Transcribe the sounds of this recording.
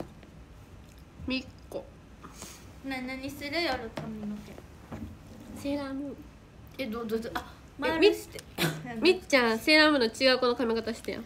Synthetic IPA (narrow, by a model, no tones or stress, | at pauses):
mʲikːo | nanaɲisɨɾejaɾɯt̪ominokẽ | seɾãmɯ̟ | ed̪od̪od̪a | mamʲi̥ | mʲit͡ɕãseːɾãmɯ̟not͡ɕiɡaɯkono̞kamʲikat̪aɕi̥t̪ajo̰